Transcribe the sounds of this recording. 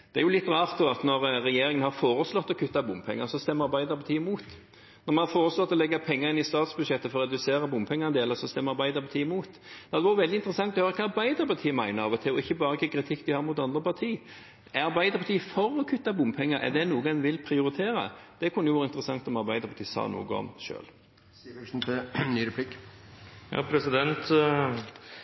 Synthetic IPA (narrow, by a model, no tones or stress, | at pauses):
d̪̥ɛæɾjʊlɪt̪ːɾɑːʁt̪d̪oːɑt̪nɔʁɾɛjeːɾɪŋənhɑɾfoːɾəslɔt̪ːɔkʰʉt̪ːɑbʊmpʰɛ̰ŋːəɾsɔst̪ɛmːəɾɑɾbæɪd̪əɾpɑt̪ʰiːəmuːt̪ | nɔɾmɛnhɑɾfoːɾəslɔt̪ːɔlɛɡːɑpʰɛŋːəɾɪnɪst̪ɑːt̪sbʉd̪ʃɛt̪ːəfɔɾɔɾʁɛd̪ʉseːɾɑbʊmpʰɛŋːəʁnd̪eːləsɔst̪ɛmːəɾɑɾbæɪd̪əɾpɑt̪iːɪmuːt̪ | d̪̥ɛɑd̪ɛʋɑːɾəʋɛld̪ɪnt̪ɾɛsɑŋt̪ɔhøːɾəkʰɑɑɾbæɪd̪əɾpɑʁt̪ʰiːəmæɪnəɾɑʋɔt̪ʰɪɔɪçːəbɑːɾəkʰikɾɪt̪ʰɪkːd̪ɪhɑːɾmʊt̪ɑnd̪ɾəpɑt̪ʰiː | æɑɾbæɪd̪əɾpʰɑt̪iːfɔɾɔkʰʉt̪ːɑbʊmpʰɛŋːəɾʔɛ̰d̪ɛnuːəɡɑnʋɪlpʰɾɪʊɾɪt̪ʰeːɾə̰d̪̥ɛkʰʊnəjʊʋɑːɾəɪnt̪ɾəsɑŋt̪ɔmɑɾbæɪd̪əɾpʰɑt̪ʰiːəsɑ̰ːnṵːɡəɔ̰mʃø̰ːl | n̩t̪ʰnyːɾɛpʰlɪk | jɑ̰ːpʰɾɛsɪd̪ɛnt̪